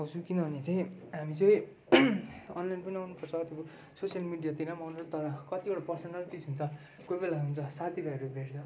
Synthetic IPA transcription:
ʌwsʰũkinʌbʌnet̪ʰẽɦamit͡sʌj̃ | ʌ̰nlajnpʌniawnupʌrt͡sʰʌt̪ebu | sosjʌlmiɖijat̪inamʌnot̪ʌɾʌkʌt̪iboʈapʌrsʌnʌlt͡sid͡zɦunt͡sʰʌ | kobelaɦunt͡sʰʌsat̪ʰibaɾjobʱeɾt͡sʰʌ

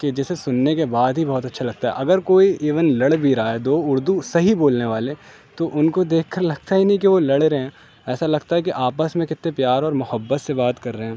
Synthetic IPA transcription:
ked͡ʒɛːsesʊnːekebaːd̪ɦibɔɦːt̪ɐtːʃʰalɐɡ̚t̪aɦɛ̰ʔɐɡəɾkoːieːʋənlɐɽbʱiɾaːɛd̪oːʊɾd̪usɐɦiboːlneʋaːle | t̪oʔʊnkod̪eːkʰkːɐɾlɐɡ̚t̪aɦinɐɦĩkiʋolɐɽeɾɐɦɛ̃ː | ɛːsalɐɡt̪aɦɛkiʔaːpəsmẽkɪt̪nepjaːɾɔːɾmʊhəbːət̪sebaːt̪kɐɾːɐɦɛ̃ː

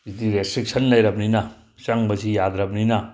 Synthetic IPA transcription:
zidiɾestɾik̚sʰɐnlɐjɾɐbninɐ | saŋbɐzijad̪ɾɐbninɐ

